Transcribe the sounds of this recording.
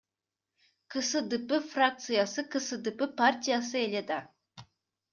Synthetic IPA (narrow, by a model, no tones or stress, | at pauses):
kʰɨsɨd̪ɪpɪfrak̚t̪sɨjasɨkʰɨsɨd̪ɪpɪpʰart̪ʲijasɨelʲed̪a